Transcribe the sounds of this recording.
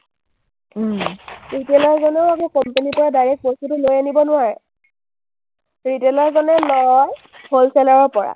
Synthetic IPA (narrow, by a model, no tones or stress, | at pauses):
ɹitelɔɹzɔnɛʊakukɔmpenipɔɹadajɹɛk̚bɔsutulojanibɔnʊwaɹɛ | ɹitelɔɹzɔnɛlɔjj | holsɛlaɹɔɹpɔɹa̰